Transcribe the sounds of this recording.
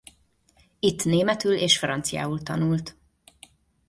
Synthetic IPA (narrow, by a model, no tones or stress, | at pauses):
it̪ːneːmɛt̪yleːʃfrɒnt̪sija̰ːult̪ɒnult̪